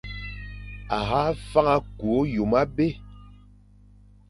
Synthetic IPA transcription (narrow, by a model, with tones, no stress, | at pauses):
a˨ɣa˦fa˦ŋa˦ku˨o˦ju˨ma˦be˦